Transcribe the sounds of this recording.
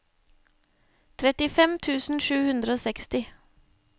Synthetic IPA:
t̪ʰɾɛt̪ɪfɛmt̪ʰʉːsn̩ʃʉːhʉnd̪ɾəoːsɛkst̪ɪ

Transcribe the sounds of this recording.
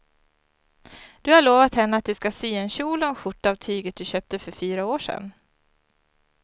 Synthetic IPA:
d̪̥ɵhaɭoːvat̪hɛnːəat̪̚d̪ɵskasyːɛnɕuːlɔnɧʊʈːaːvt̪ʰyːɡət̪̚d̪ɵɕøːp̚t̪əfœɾfyːɾaoːʂɛ̰n

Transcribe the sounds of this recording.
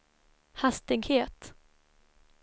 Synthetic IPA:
hast̪ɪɡheːt̪

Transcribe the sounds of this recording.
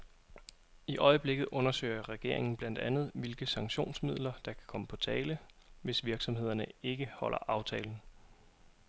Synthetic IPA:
iʔɒ̽ɪəb̥le̝ɡ̥ð̞̩ˠʔɔ̽nɐsø̰ːɪɐʁɛɡ̥e̝ɐe̝ŋn̩b̥læn̰d̥ænð̞̩ˠʋe̝lɡ̥əsɑ̈ŋɡɕo̝̰ːnsmið̞̰ˠlɐd̥ɑ̈kʰæ̥kʰɒ̽məpʰɒ̽t͡sʰɛːlə | ʋe̝sʋiɐɡ̥sɒ̽mhe̝ð̞̰ˠɐnəe̝ɡ̥əhɒ̽l̰ʔɐ̰ʔɑ̈ʊt͡sʰɛːln̩

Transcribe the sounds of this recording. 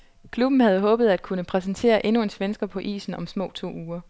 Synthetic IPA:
kʰlub̥n̩hæð̞ˠɦɔ̽ːb̥ð̞̩ˠæd̥̚kʰunəpʰʁɛs̬nt͡sʰe̝̰ːɐʔe̝nue̝nsʋensɡ̥ɐpʰɒ̽ʔḭːsn̩ɒ̽msmɔ̰̽ːt͡sʰo̝̰ːuːɐ

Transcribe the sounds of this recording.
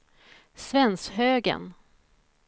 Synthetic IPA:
svɛnsɦøːɡə̰n

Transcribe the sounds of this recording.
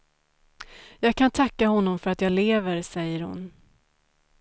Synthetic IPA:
jɑːɡ̚kʰant̪ʰakːahɔnːɔmfœɾat̪jaːleːvəɾsɛjːəɾhʊ̰n

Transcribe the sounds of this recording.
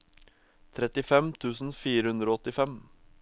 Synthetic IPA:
t̪ʰɾɛt̪ɪfɛmt̪ʰʉːsn̩fiːɾəhʉnd̪ɾoːɔt̪ɪfɛm

